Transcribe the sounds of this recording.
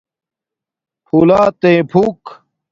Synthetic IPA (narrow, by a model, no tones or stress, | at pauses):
pʰulaːt̪ẽːpʰuk